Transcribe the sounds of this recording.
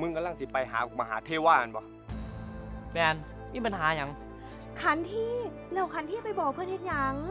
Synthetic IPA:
mɯ˧ŋka˧la˧˥˩ŋsi˨˧˦pa˨˧jɦaː˨˦˧ma˧ɦaː˩˦t̪ʰeː˧˩waː˧˩ʔa˨˧nbɔ˧˦ | mɛː˧n | miː˧˥˨pa˨nɦaː˩˦ɲa˨˦ŋ | kʰa˧˦nt̪ʰiː˧˥˩ | lɛː˧˥˩wkʰa˧˦nt̪iː˥˩˨pa˧˨jbɔː˨˩k̚ʰɯ˧˥˨nhe˧t̪̚ɲa˧˦ŋ

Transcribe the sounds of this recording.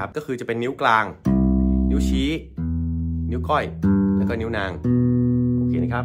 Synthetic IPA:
a˦˩p̚kɔː˥˩kʰɯː˧t͡ɕa˨˩pe˧nːi˦˥wklaː˧ŋ | ni˦˥wt͡ɕʰiː˦˥ | ni˦˥wkɔ˥˩jlɛː˦˥wkɔː˥˩ni˦˥wnaː˧ŋ | o˧˩keː˧˩na˦˧˩kʰa˦˥

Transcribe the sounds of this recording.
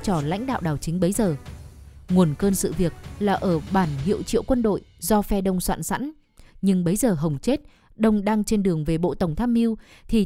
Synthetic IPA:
t͡ɕɔ˧˩la̰˧˥jŋ̟ɗa̰ː˧˨wɗaː˨˩wt͡ɕï˨˦ŋ̟ɓə˨˦jzəː˨˩ | ŋu˨˩ənkəː˧nsɨ̰˧˨vi˨˩ək̚laː˨˩ʔəː˧˩ɓaː˧˩nɦḭ˧˨əwt͡ɕḭ˧˨əwkwə˧nɗo̰˧˨jzɔ˧fɛ˧ɗə˧wŋ͡mswa̰ː˧˨nsa̰˧˥n | ɲɨ˧ŋɓə˨˦jzəː˨˩ɦə˨˩wŋ͡mt͡ɕe˦˥t̚ | ɗə˧wŋ͡mɗaː˧ŋt͡ɕe˧nɗɨ˨˩əŋve˨˩ɓo̰˧˨t̪ə˧˩wŋ͡mt̪ʰaː˧mʔi˧əwt̪ʰi˨˩

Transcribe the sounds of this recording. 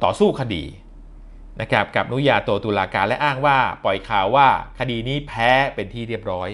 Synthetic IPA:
t̪ɔː˨˩suː˥˩kʰa˧dḭː˧ | na˦˥kʰa˦˥p̚ka˨˩p̚nu˦˥jaː˧t̪u˧ət̪uː˧laː˧kaː˧nlɛ˦˥ʔaː˥˩ŋwaː˥˩pɔ˨˩jkʰaː˨˩wːaː˥˩kʰa˧diː˧niː˦˥pʰɛː˦˥pe˧nt̪ʰiː˥˩ɾi˥˩əp̚ɾɔː˦˥j

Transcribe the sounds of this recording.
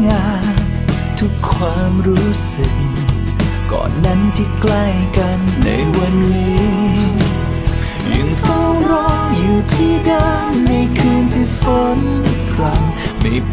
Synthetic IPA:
ŋaː˧ | n | t̪ʰu˦˥kʰːwaː˧mɾuː˦˥sɯ˧˩k̚ | kɔ̰ː˨˩nːa˦˥nt̪ʰi˧˩kla˧˩jka˧nːa̰˧˦˥jwa˧nːiː˦˥ | jɯ̰˨˧˩ŋfa˥wɾɔ˦˥ŋjuː˨˩t̪ʰiː˧˥˩da˧˩ŋna˧jkʰɯː˧nt̪ʰiː˧˩fo˧˦˥nt̪ʰɾa˧˥ŋma̰˧˩jp

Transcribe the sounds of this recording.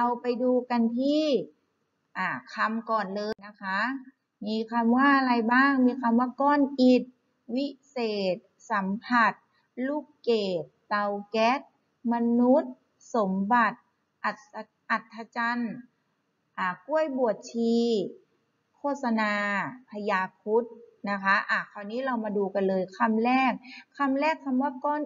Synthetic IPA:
ʔa˧wpa˧jduː˧ka˧nt̪ʰiː˥˩ | ʔaː˧˩kʰa˧mkɔː˨˩nlɤː˧jna˦˥kʰa˦˥ | miː˧kʰa˧mwaː˥˩˧ɾa˧jbaː˥˩ŋmiː˧kʰa˧mwaː˥˩kɔː˧˥˨nʔi˨˩t̪̚ | wi˦˥seː˨˩t̪̚ | sa˩˦mpʰa˧˩t̪̚ | luː˥˩kːeː˨˩t̪̚t̪a˧wkɛ˦˥t̪̚ | ma˧nu˦˥t̪̚ | so˨˩˦mba˨˩t̪̚ | ʔa˨˩t̪ | ʔa˨˩t̪ʰːa˧t͡ɕa˧n | ʔaː˧˩ku˥˩əjbu˨˩ət̪̚t͡ɕʰiː˧ | kʰoː˥˩t̪̚sa˧naː˧pʰa˧jaː˧p̚ʰu˦˥t̪̚na˦˥kʰa˦˥ʔaː˧˩kʰa˧˩wniː˦˥ɾa˧wmaː˧duː˧ka˧nlɤː˧jkʰa˧˥mlɛː˥˩k̚ʰːa˧mɾɛː˥˩k̚sʰa˧mwaː˥˩kɔː˧˥˨n

